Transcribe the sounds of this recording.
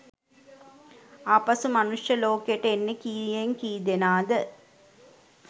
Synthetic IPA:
aːpɐsumɐnuʂjɐloːkejʈəenːekiːjeŋkiːd̪enaːd̪ə

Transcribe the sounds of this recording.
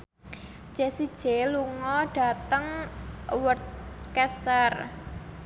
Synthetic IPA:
ʒ̥esid̥ʒ̥eluŋɔɖ̥a̤t̪əŋ | wərt̪̚kɛst̪ər

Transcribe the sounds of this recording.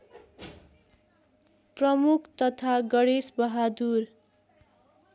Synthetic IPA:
prʌmukʰt̪ʌt̪ʰaɡʌɽesbʌɦad̪ur

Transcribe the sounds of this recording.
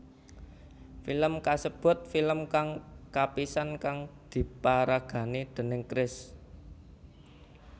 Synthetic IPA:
filəmkasəb̥ʊ̤t̪̚filəmkaŋkapisankaŋd̪̥i̤paɾaɡ̥ä̤nid̪̥ə̤nɪŋkɾɪs

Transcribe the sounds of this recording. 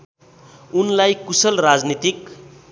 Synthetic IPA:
unlajkusʌlrad͡znit̪ik

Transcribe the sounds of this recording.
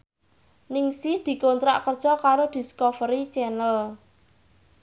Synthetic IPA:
nɪŋsid̪̥i̤kont̪ɾa̰ʔkərd̥ʒ̥ɔkaɾod̪̥i̤skofəɾit͡ʃɛnəl

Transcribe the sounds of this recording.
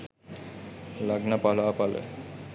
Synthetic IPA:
laɡnapalaapalḛ

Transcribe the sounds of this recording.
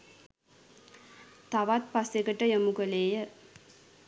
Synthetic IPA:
t̪aʋat̪̚pasjekəʈəjəmukəleːjə

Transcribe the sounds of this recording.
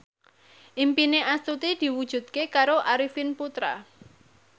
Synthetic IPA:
ʔimpineʔast̪ut̪id̪̥i̤wud̥ʒ̥ṳd̪̚kekaɾoʔaɾifinput̪ɾa̰

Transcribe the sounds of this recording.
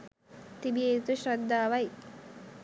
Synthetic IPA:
t̪ibijeːt̪uɕɾɐd̪ːaːʋɐj

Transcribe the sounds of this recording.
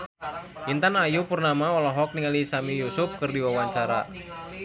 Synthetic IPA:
ʔint̪anajupurnamaɔlɔɦɔk̚niŋalisamijusʊf̚kɨrdiwawaɲt͡ʃaɾa̰

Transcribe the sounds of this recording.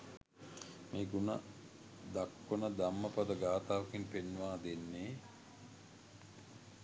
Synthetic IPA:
meːɡunə | d̪akːonəd̪amːəpɐd̪əɡaːt̪aːʋəkinpenːuʋaːd̪enːeː

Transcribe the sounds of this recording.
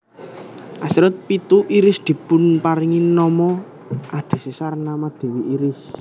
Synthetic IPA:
ʔasɾʊt̪̚pit̪uʔiɾɪsd̪̥i̤pʊnpaɾiŋinɔmɔ | ʔad̪̥e̤sesarnamad̪̥e̤wiʔiɾɪs

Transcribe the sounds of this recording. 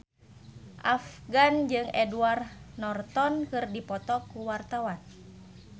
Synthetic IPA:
ʔafɡand͡ʒɨŋɛduarnɔrt̪ɔnkɨrdipɔt̪ɔkuwart̪awan

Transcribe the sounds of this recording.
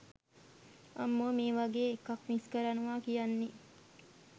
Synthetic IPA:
ɐ̰mːoːmiːʋɐɡeːkɐkmiskɐɾɐnuʋaːkijɐnːi

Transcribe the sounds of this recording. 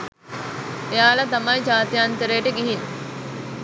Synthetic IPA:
ejaːlɐt̪ɐmɐjd͡ʒaːt̪ijaːnt̪əɾeːʈəɡiɦin

